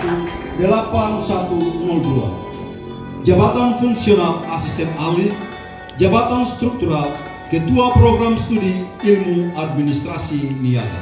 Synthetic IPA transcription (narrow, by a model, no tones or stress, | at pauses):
t̪u | dəlapansat̪umɔldua̰ | d͡ʒabat̪anfuŋksionalasist̪ɛnalit̪ | d͡ʒabat̪anst̪ɾuk̚t̪uɾal | kət̪uapɾoɡɾamst̪udiilmuad̚minist̪ɾasinial̰